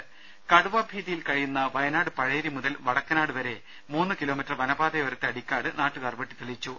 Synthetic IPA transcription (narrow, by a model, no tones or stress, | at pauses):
kɐɽuʋaːbʱiːðijilkɐɻijunːɐʋɐjɐnaːɽɨpɐɻeːɾimuðɐlʋɐɽɐkːɐnaːɽɨʋɐɾe̞ | muːnːɨkilo̞ːmitːrʋɐnɐbaːðejoɾɐt̪ːeɐɽikʲːaːɽɨnaːʈːukɐrbɐʈːit̪ːuɭit͡ɕːu